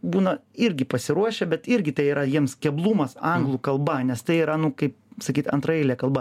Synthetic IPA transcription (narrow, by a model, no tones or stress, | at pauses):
buːnɐɪɾʲɡʲɪpɐsʲɪɾuɔʃʲɛbʲɛt̪ɪɾʲɡʲɪt̪ɐɪiːɾɐjiɛmskʲɛblˠuːmɐsɐŋɡlˠuːkɐlˠbɐnʲɛst̪ɐɪiːɾɐnʊkɐɪpsɐkʲiːt̪ɐ̰nt̪ɾɐjɛɪlʲɛkɐlˠbɐ